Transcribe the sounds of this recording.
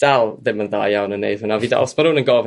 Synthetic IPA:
d̥alˠðɪmənða̰ːjjawnənːḛjð̥hʊnaviːda̰ɔsmanhuːnənɡɔv

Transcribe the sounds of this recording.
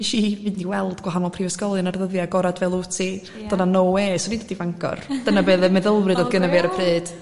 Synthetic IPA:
iʃivɨdndiwɛlˠdɡ̥waɦanɔlˠpʰrivəskɔlˠɨnarðəðjaɡɔɾadvɛlˠutʰi | d̥ənanoweːsɔdidədivaŋɡʰɔ̰rd̥ənabeːðɛmɛðəlˠrɨdoðɡənəveaɾəpʰreːd̥

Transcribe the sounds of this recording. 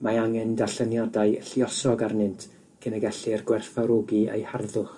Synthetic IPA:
maaŋɛndaɬənjadaɨɬjɔsɔɡarnɪntʰ | kʰɪnəɡɛɬɨrɡwɛrfaɾoɡiḛjharðʊχ

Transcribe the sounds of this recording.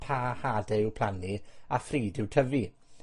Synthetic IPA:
pʰaːhaːdɛwpʰl̥aniafriːdɪwtʰəvi

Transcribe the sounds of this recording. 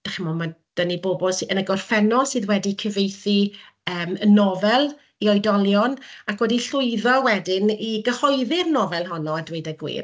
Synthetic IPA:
d̥aχɪmɔmad̥ənibobɔlˠsənəɡɔrfɛnɔsɨːðwɛdikʰəvejθi | əːmənɔvɛlˠ | iɔjdɔlˠjɔnakʰwɛdiɬʊɨðɔwɛdɪniɡəhɔjðɪrnɔvɛlˠɦɔnɔadwejdaɡwḭːr

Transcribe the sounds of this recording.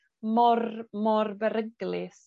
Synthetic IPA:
mɔrmɔrbɛɾəɡlˠɪs

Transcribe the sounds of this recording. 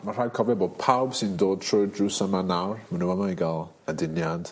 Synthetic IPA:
mar̥aːjkʰɔvɛboːd̚pʰawb̥sɨndoːd̚tʰrɔjdrusamanawrmənuamaiɡalˠ | ədɪnjad̥

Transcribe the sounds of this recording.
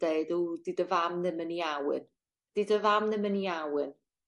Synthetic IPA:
d̥eɨdudidəvamnɨməniawɨ̰n | d̥idəvamnɨməniawɨn

